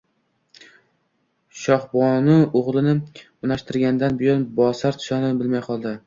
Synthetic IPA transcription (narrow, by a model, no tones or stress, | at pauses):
ʃɒhbɒnɪoʁlˠɪnɪ | ʊnaʃt̪ɪɾɡʲand̪anbɪjɒnbɒsaɾt̪ʰɪ̥ʃɒnɪbɪlmajqʰɒlˠd̪ɪ